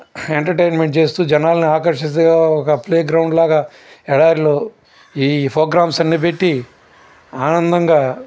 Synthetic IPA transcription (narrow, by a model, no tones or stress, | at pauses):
eɳʈɐɾʈejnmeɳʈ̚t͡ʃe̞ːst̪uːd͡ʒɛnaːlɐniaːkɐɾʂit̪ɐɡaːɔkɐpleːɡɾɐwɳɖlaːɡaː | ɛɽaːɾiloː | iːpoːɡɾaːmsɐnːiːpeʈːi | aːnɐnd̪ɐŋɡaː